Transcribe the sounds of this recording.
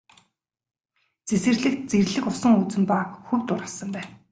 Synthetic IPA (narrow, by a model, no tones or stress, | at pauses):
t͡sesɘ̆rɮɘ̆k̚t̪̚t͡serɮɘ̆kʊsə̆ŋut͡sɘ̆mpaːkxɵwt̪ʊɾasə̆mpæːn